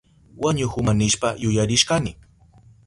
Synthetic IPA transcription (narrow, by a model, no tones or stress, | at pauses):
waɲʊxʊmanɪʃpajʊjaɾɪʃkanɪ